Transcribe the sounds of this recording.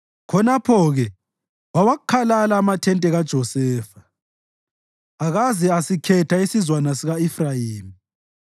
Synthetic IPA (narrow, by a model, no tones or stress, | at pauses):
kʰɔnapʰɔɣɛ | wawaɣukʰalalaːmatʰɛntʼɛɣad̥ʒ̥ʱɔsɛːfḁ | aɣazɛasikʰɛtʰaisizwanasiɣaifrajiːmi